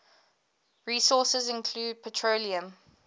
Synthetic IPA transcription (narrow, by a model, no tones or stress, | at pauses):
ɹiːsɔːˑsəzɪ̃nkʰl̥uːd̚pʰətʰɹoliə̃m